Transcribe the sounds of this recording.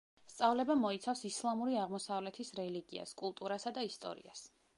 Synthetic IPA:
st̪sʼavlɛbamɔit̪sʰafsislˠamuɾiaʁmɔsavlɛt̪ʰisɾɛliɡia̰skʼulˠt̪ʼuɾasad̪aist̪ʼɔ̰ɾḭa̰s

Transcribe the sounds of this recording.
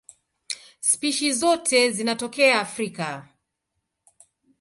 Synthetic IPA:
spiʃizɔtʰɛzinatɔkɛaːfɾika

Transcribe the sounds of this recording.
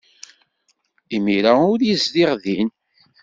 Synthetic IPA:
imiɾaʊɾjizd̪iʁðin

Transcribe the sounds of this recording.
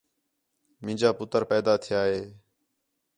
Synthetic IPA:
mɪ̃ːd͡ʒaːpʊt̪əɾpɛːd̪aːt̪ʰɪjaːɦeː

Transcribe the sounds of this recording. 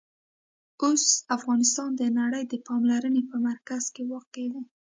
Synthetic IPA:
osafɣɑnɪst̪ɑnd̪ənaɽəjd̪əpɑmlaɾənepəmaɾkaz̥kewɑqed̪i

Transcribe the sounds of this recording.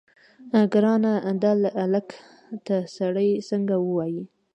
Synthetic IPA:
ɡɾɑnad̪alʔalak | t̪asaɽəjsəŋɡawəwɑji

